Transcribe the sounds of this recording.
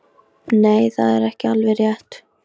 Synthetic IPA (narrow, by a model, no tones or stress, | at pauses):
neːjθaðɛɾɛhcɪalvɛrjɛht̪